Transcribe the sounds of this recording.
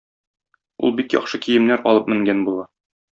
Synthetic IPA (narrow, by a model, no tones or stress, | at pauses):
ṵlˠbikjɒ̰χʃɤkijɘ̆mnæɾɒlˠɤp̚mɘ̆ŋɡænbulˠɑ